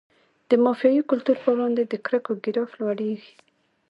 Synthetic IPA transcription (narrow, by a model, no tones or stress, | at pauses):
d̪̥əmɑfijɑjikʊlt̪uɾpəwɽɑnd̪ed̪əkɾəkoɡɪɾɑflwaɽeɡi̥